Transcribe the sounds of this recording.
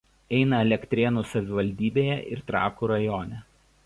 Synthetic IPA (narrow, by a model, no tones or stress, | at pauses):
ɛɪnɐɛlʲɛkʲt̪ʲɾʲeːnusɐʋʲɪʋɐlʲd̪ʲiːbʲeːjɛʔɪ̰ɾt̪ɾɑ̰ːkuːɾɐjɔːnʲɛ